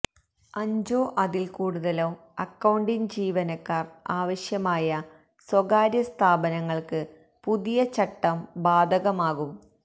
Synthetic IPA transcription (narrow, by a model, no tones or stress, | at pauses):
ɐɲd͡ʑoːʔɐðilkuːɽuðɐloː | ɐkːɐwɳɖind͡ʑiːʋɐnɐkːaːraːʋɐɕjɐmaːjɐ | swɐɣaːɾjɐst̪ʰaːbɐnɐŋːɐɭkɨ | puðijɐt͡ɕɐʈːɐmbaːd̪ʱɐɣɐmaːɣum